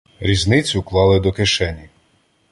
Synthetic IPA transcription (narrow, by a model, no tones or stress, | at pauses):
ɾʲiznɪt͡sʲʊklˠɑlˠɪd̪ɔkɪʃɛnʲi